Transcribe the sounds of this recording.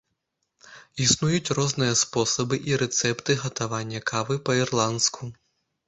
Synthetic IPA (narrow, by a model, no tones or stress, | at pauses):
isnujut͡sʲrɔznɨjɐspɔsɐbɨʔiɾɛt̪sɛpt̪ɨɣɐt̪avanʲːɐkʰavɨpɐirlˠant̪skʰu